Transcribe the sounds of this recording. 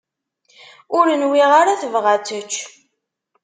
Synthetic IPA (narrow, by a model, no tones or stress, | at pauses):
ʊɾənwiʁaɾaθəvʁat͡sət͡ʃː